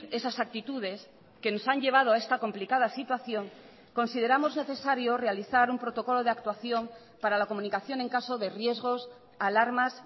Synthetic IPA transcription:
e̞sasak̚t̪it̪uð̞e̞s | ke̞no̞saɲʎe̞β̞að̞oae̞st̪ako̞mplikað̞asit̪waθjo̞ŋ | ko̞nsið̞e̞ɾamo̞zne̞θe̞saɾjore̞aliθaɾumpɾo̞t̪o̞ko̞lo̞ðeak̚t̪waθjo̞m | paɾalako̞mũnikaθjo̞ŋeŋkasoðerje̞zɣo̞s | alaɾmas

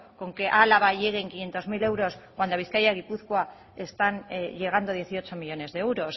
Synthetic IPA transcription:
ko̞ŋke̞ʔalaβaʝe̞ɣe̞ːŋkinjent̪o̞zmile̞wɾo̞skwand̪oaβ̞iθkajaɣ̞ipuθkwa | e̞st̪anʝe̞ɣ̞and̪o̞ðje̞θio̞t͡ʃo̞miʎo̞ne̞zðeewɾo̞s

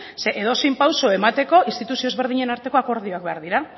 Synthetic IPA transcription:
se̞ʔeð̞o̞simpawso̞e̞mat̪e̞ko̞inst̪it̪usiozβe̞ɾð̞iɲe̞naɾt̪e̞ko̞ako̞ɾð̞io̞ak̚be̞aɾðiɾa

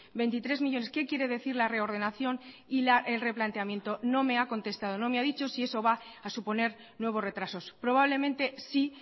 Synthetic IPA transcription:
be̞jnt̪it̪ɾe̞zmiʝo̞ne̞ske̞kje̞ɾe̞ð̞e̞θiɾlare̞o̞ɾð̞e̞naθjo̞n | ilaʔelre̞plant̪e̞amje̞nt̪o̞no̞me̞ako̞nt̪e̞st̪að̞o̞no̞meaðit͡ʃo̞sie̞so̞βaː | supo̞ne̞ɾ | nwe̞β̞o̞sre̞t̪ɾaso̞spɾo̞β̞aβle̞mẽnt̪e̞si

